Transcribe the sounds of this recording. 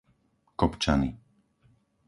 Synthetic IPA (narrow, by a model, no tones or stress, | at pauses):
kɔpt͡ʃani